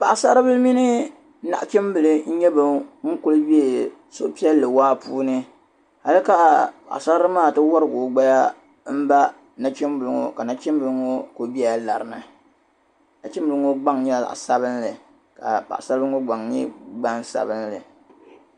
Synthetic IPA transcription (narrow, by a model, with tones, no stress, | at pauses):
pa˨ʔsa˦ɾɨ˦bɨ˦lmi˦nɨ˦ | na̰˨ʔt͡ʃɛ˦mbɨ˨lɨ˦ɲ̩˦ɲɛ˦bɨ˨ŋ̩˦kʊ˦lɨ˦bi˦e˨ | so̰˦pi˦ɛ˦lːɨ˨waː˦puː˦nɨ˦ | ha˦lɨ˦ka˨pa̰˨ʔsa˦ɾɨ˦maː˦˨tɨ˦wa˦ɾɨ˨ɡo˨ɡ͡ba˦ja˦ | m̩˦ba˦ | na˨t͡ʃɛ˦mbɨ˨lɨ˦ŋo̰˦ka˨na˦t͡ʃɛ˦m˦bɨ˨lɨ˦ŋo˦ko˨bi˦a˦la˨ɾɨ˨nɨ˨ | na˨t͡ʃɪ˦mbɨ˦ŋo˦ɡ͡ba˦ŋɲɛ˦˨la̰˨ʔsa˦βɨ˦nlɨ˨ | ka̰˨pa̰˨ʔsa˦ɾbŋo˦ɡ͡ba˨ŋɲḭ˦ɡ͡ba˦nsa̰˨bɨ˦nlɨ˨